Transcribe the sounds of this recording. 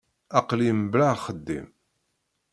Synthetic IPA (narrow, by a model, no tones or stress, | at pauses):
æqlimblaχəd̪ːḭm